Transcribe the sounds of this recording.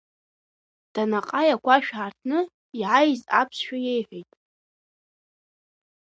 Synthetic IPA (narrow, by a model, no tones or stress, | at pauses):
d̥anaqʼajakʷaʃᶣʕartʰnɨ | iʕajzapʰsʃᶣajejħʷᶣejtʼ